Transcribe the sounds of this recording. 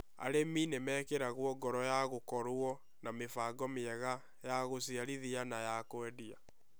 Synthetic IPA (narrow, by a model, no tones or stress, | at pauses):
a̰ɾeminemɛkeɾaɣwɔɡɔɾɔjaɣokɔɾwɔ | namefaɡɔmiɛɣa | jaɣosiaɾiðianajakwɛdia